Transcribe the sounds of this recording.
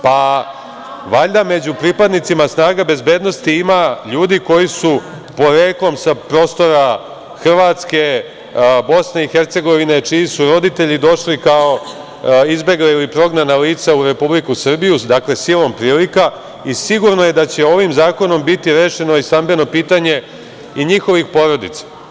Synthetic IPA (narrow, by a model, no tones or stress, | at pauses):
pa | ʋaʎd̪ame̞d͡ʑupɾipad̪nit̪simasnaːɡabe̞zbe̞d̪no̞st̪iimaʎuːd̪iko̞jisu | po̞ɾeːklˠo̞msapɾo̞ːst̪o̞ɾa | xr̩ʋaːt̪ske̞ | bo̞sne̞ixe̞ɾt̪se̞ɡo̞ʋine̞t͡ʃijisuɾo̞d̪it̪e̞ʎid̪o̞ʃlikao̞ | izbe̞ɡlailipɾo̞ɡnanaliːt̪sauɾe̞publikusr̩bijud̪akle̞silˠo̞mpɾiːlika | isiɡuɾno̞je̞d̪at͡ɕe̞o̞ʋimzaːko̞no̞mbit̪iɾeːʃe̞noist̪ambe̞no̞piːt̪aɲe̞ | iɲixo̞ʋixpo̞ɾo̞d̪it̪sḁ